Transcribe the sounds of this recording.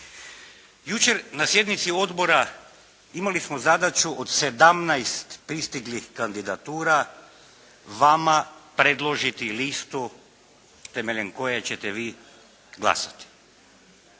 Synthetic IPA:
jut͡ʃe̞ɾnasje̞d̪nit̪sio̞d̪bo̞ɾa | imalismozad̪at͡ʃuʔod̪se̞d̪amnajst̪pɾist̪iɡlixkand̪id̪at̪uːɾa | ʋamapɾe̞d̪lˠo̞ʒit̪ilist̪u | t̪emeʎenko̞jet͡ɕet̪eʋiː | ɡlˠa̰sat̪i̥

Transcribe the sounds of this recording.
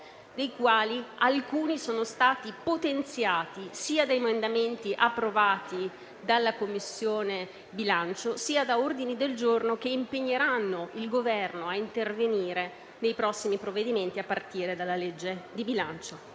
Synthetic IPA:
d̪ejkwaːlialkuːnisoːnost̪aːt̪ipot̪ent̪sjaːt̪isiːad̪ajmand̪ament̪iʔapːɾovaːt̪i | d̪alːakomːisːjoːne | bilant͡ʃosiːad̪aord̪inid̪eld͡ʒornokeimpeɲːeɾanːoilɡovɛrnoaint̪erveniːɾe | nejpɾɔsːimipɾovːed̪iment̪iapːart̪iːɾed̪alːaled͡ʒːed̪ibilant͡ʃo

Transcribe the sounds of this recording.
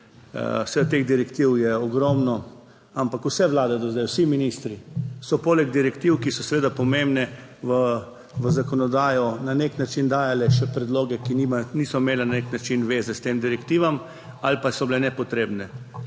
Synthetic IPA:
sɛd̪at̪eːɣd̪iɾɛkt̪iwjɛɔɡɾɔmnɔ | ampakusɛʋlaːd̪ɛd̪ɔzd̪ɛjwsiminist̪ɾisɔpoːlɛɡ̚d̪iɾɛkt̪iwkisɔsʋeːd̪apɔmẽmbnɛ | ʋə | ʋəzakɔnɔd̪aːjɔnaneknat͡ʃind̪aːjalɛʃɛpɾɛd̪loːɡɛkinimaniːsɔimeːlananeknat͡ʃinʋeːzɛst̪eːmd̪iɾɛkt̪iːʋam | alpasɔblɛnɛpɔt̪ɾeːbnɛ

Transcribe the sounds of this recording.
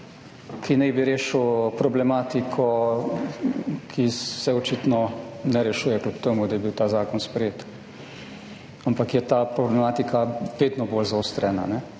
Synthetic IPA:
kinɛjbiɾeːʃəwpɾɔblɛmaːt̪ikʰɔ | kʰisɛɔt͡ʃiːt̪nɔnɛɾɛʃuːjɛklʲupt̪emud̪ajɛbiwt̪aːzaːkɔnspɾɛjeːt̪ | ampakjɛt̪aːpɾɔblɛmaːt̪ikʰaʋeːd̪nɔboːlzaoːst̪ɾɛna̰nɛ

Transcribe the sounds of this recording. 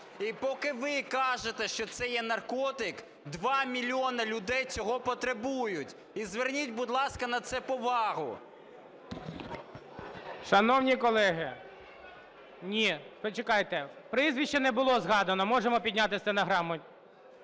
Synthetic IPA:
ipɔkɪʋɪkɑʒet̪ɛʃt͡ʃɔt̪sɛjɛnɐrkɔt̪ɪk | d̪ʋɑmʲilʲiɔnɐlʲʊd̪ɛjt͡sʲɔɦɔpɔt̪ɾebujʊtʲ | izʋernʲitʲbʊd̪lˠɑskɐnɐt̪sɛpɔʋɑɦʊ | ʃɐnɔwnʲikɔlˠɛɦɪ | nʲipɔt͡ʃekɑjt̪ɛpɾɪzʲʋʲiʃt͡ʃːɛnɛbʊlˠɔzɦɑd̪ɐnɔmɔʒemɔpʲidʲnʲat̪ɪsʲt̪ɐnɐɦɾɑmɔnʲ

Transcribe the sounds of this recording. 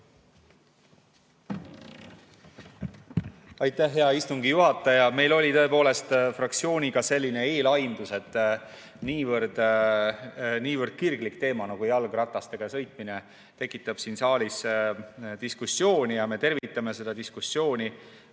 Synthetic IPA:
ɑjt̪ːæhːe̞ɑist̪uŋɡijuɦɑt̪ˑːɑjɑme̞jlo̞lʲit̪ɤ̞e̞po̞ːle̞st̪frɑkt̪sio̞ːnʲiɡ̥ɑse̞lʲːine̞eːlɑjnd̪̥use̞t̪ːˑ | niːvəɾd̪̥ | niːvərd̪̥̚kirɡlikt̪e̞ːmɑnɑkujɑlɡrɑt̪ːˑɑst̪e̞ɡ̥ɑsɤ̞jt̪̚ˑmine̞ | t̪e̞kːˑit̪ːˑɑb̥sinsɑːlʲis | d̪̥iskusːjo̞ːnʲijɑme̞t̪e̞rvit̪ːˑɑme̞se̞d̪̥ɑd̪iskusːjo̞ːnʲi

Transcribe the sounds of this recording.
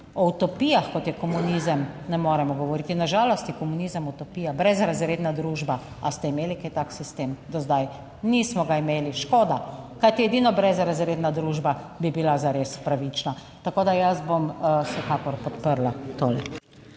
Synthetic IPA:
ɔut̪ɔpijaxkɔt̪jɛkɔmunizəmnɛmoːɾɛmɔɡɔʋɔɾiːt̪inaʒalɔst̪jikɔmunizəmut̪ɔpiːjabɾɛzɾazɾeːd̪nad̪ɾuʒba | ast̪ɛimeːliket̪aksist̪eːmd̪ɔzd̪aj | nismɔɡaimeːliʃkoːd̪akajt̪iɛd̪iːnɔbɾɛzɾazɾeːd̪nad̪ɾuːʒbabibilazaɾespɾaʋit͡ʃna | t̪akoːd̪ajazbomsɛkakɔɾpɔt̪pəɾlat̪oːlik

